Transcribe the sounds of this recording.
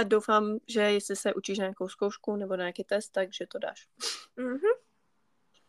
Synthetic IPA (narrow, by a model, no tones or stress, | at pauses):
adowfamʒɛjɛslɪsɛʔut͡ʃiːʃnaako̞wskowʃkunɛbonaɲakiːt̪ɛst̪ːaɡʒ̥ɛt̪oda̰ːʃ̩ | ɦm̩